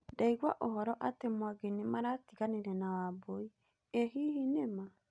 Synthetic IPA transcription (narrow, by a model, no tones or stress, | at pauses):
daiɣwaʔoɦɔɾɔʔatemwaɡenimaɾatiɣaneɾɛnawaboi | eɦiːhinema